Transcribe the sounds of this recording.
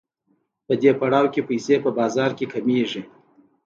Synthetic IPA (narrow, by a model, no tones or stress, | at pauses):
pəd̪epaɽɑwkepajsepəbɑzɑɾkekameʐi